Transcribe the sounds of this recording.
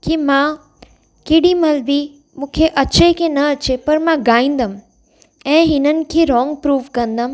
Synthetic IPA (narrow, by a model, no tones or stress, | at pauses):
kimã | keːɽimɐlbi | mũːkʰeʔɐt͡ɕekʰẽnɐɐt͡ɕepɐɾmãɡaːĩːn̆d̪əm | ɛ̃ːɦɪnənɪ̆kʰeːɾɔːŋɡ̚pɾuːʋkɐ̃nd̪əm